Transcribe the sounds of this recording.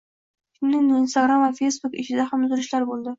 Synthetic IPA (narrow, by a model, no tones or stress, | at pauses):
kʲʰɪmnɪŋɪnst̪aɡɾamvafe̞jsbʊkɪt͡ʃʰɪd̪ahamʊzɾɪʃlaɾbolˠd̪ɪ